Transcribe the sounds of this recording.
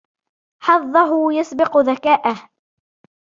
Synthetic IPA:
ħɑðˤːɑɦʊjasbɪqðakaːʔah

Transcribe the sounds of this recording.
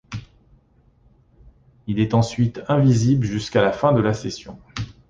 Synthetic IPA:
ilɛt̪ɑ̃sɥit̪ɛ̃vizibləʒyskalafɛ̃d̪əlasesjɔ̃

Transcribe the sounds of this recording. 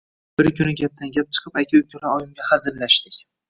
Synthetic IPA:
b̥ɪɾkʲʰʊnɪɡʲap̚t̪ʰanɡʲap̚t͡ʃʰɨ̥qʰɨ̥pakʲʰaʊkʲʰʊɾaɒjɪmɡʲahazɪɾlaʃt̪ɪkʲ

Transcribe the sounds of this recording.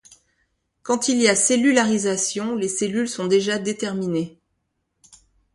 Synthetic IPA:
kɑ̃t̪ilijaselylaʁizasjɔ̃leselylsɔ̃d̪eʒad̪et̪ɛʁmine

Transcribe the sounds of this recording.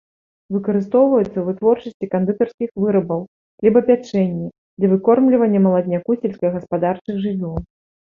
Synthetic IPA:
vɨkɐɾɨst̪ɔwvɐjut̪sːɐvɨt̪vɔrt͡ʂɐsʲt͡sʲikɐnd̪ɨt̪ɐrskʲixvɨɾɐbɐw | lʲibɐpʲat͡ʂɛnʲːɐ | d̪lʲɐvɨkɔrmlʲivɐnʲːɐmɐlˠɐd̪ʲnʲakusʲɛlʲsʲkɐjɐɣɐspad̪art͡ʂɨxʐɨvʲɔlˠ

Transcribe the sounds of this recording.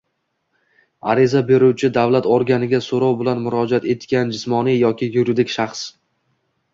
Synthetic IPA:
a̰ɾɪzabe̞ɾuwt͡ʃʰɪd̪avlat̪oɾɡʲanɪɡʲasoɾɒwbɪlanmʊɾɒd͡ʒat̪e̞t̪kʲand͡ʒɪsmɒnijɒkʲɪjʊɾɪd̪ɪkʲʃaχs

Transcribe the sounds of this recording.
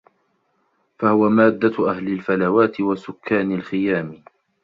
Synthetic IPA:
fahʊwamaːd̪ːaʔahlɪlfalawaːt̪ɪwasʊkʰːaːnalxɪjaːmɪ

